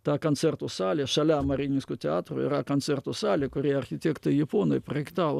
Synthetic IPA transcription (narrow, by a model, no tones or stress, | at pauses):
t̪ɑːkont̪sʲɛrt̪uːsɑːlʲeːʃɐlʲæmɐɾʲiːnʲɪskʊːt̪ʲɛɑːt̪roːɪ̰ɾɐkont̪t͡ssʲɛrt̪usɑːlʲeːkʊɾʲiɛɐrʲxʲɪt̪ʲeːkt̪ɐɪjɪpoːnoːɪprɐɪkt̪ɑːʋo